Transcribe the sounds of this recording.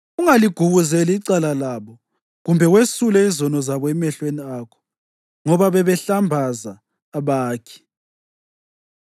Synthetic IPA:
uŋaliɡ̥ʱuɣuzɛliiǀalalaβɔ | ɣumbʱɛwesulɛizɔnɔzaβɔɛmɛɬweniakʰɔ̥ | ŋɔβaβɛβɛɬambʱazaː | βaːkʰɛ̥

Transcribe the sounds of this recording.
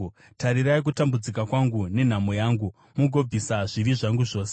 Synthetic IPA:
taɾiɾaik̬utambud͡zikakwaŋɡune̞n̤amojaːŋɡu | muɡʱo̞b͡visaʐiʋiʐaŋɡuʐo̞ːse

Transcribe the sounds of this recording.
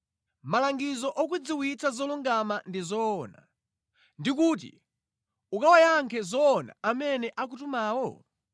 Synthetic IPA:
malaŋɡizɔʔɔk̬wid͡ziwit͡sʰazɔluŋɡamandizɔːna̰ | ndikuːt̬ḭ | ukawajaŋkʰɛzɔːna̰amɛnɛʔak̬utumaːwɔ̰

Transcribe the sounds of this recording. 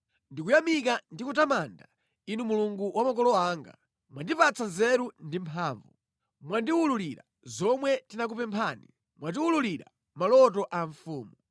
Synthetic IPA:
ndikujamikandikutamanda | inumuluŋɡuwʔamak̬ɔlɔaːŋɡa̰ | mwandipat͡sʰazɛɾundimpʰaːɱvu | mwandiwululiɾa̰ | zɔmwɛtinak̬upɛmpʰaːnḭ | mwat̬iwululiɾa̰ | malɔtɔʔaɱfuːmu

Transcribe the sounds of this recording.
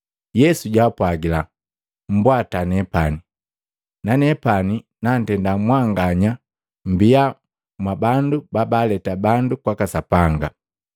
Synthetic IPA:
jɛsuɟaːpwaɡila | m̩bwatanɛpani | nanɛpaninan̩tɛndamwaŋɡaɲa | m̩bia | mwabandubabalɛtabandukwakasapaŋɡa

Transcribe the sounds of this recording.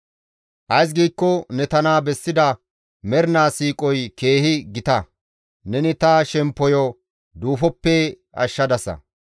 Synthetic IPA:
ʔɐjs̬ɡiːkːɔnɛt̪ɐnaːbɛsːɪd̪ɐ | mɛɾnaːsiːkʼɔjke̞ːhɪɡɪt̪ɐ | nɛnɪt̪ɐʃɛmpːɔjɔ | d̪uːfɔpːɛ | ɐ̰ʃːɐd̪ɐsɐ̰

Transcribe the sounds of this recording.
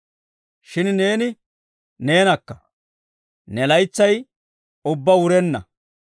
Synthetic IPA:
ʃɪnne̞ːnɪ | ne̞ːnɐkːɐ̥ | nɛlɐjt͡sːɐj | ʊbːɐwʊɾɛnːɐ̰

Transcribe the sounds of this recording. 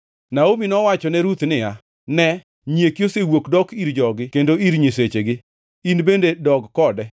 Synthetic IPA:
naominɔwat͡ʃɔnɛɾut̪nɪja | nɛ | ɲiekjosewokdɔkiɾd͡ʒɔɡɪkendoiɾɲis̬et͡ʃeɡɪ | inbendedɔɡkɔdɛ

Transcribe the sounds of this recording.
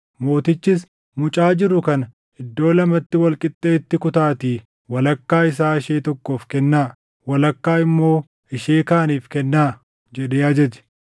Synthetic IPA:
mo̞ːt̪ɪt͡ʃːɪs | mʊt͡ʃʼaːd͡ʒɪɾʊkɐn | ɪd̪ːo̞ːlɐmɐt̪ːɪwɐlkʼɪt̪ʼːeːt̪ːɪkʊt̪aːt̪iː | wɐlɐkːaːɪs̬aːɪʃeːt̪ɔkːo̞ːfkɛnːaː | wɐlɐkːaːɪmːo̞ː | ɪʃeːkaːniːfkɛnːaː | d͡ʒɛd̪eːɐd͡ʒɛd͡ʒɛ̥

